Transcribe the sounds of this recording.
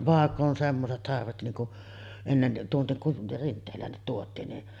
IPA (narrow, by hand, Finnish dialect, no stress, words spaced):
ʋɑˑekː on semːoset sɑrʋet niːŋ kuʔ enːen tuonːek kuʔ rintˑeːlˑæːnːit tuotˑiːn ni